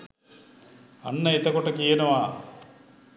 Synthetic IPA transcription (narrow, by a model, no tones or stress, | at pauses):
ɐ̰nːɐit̪ɐkɔʈːɐkijɐnɐʋaː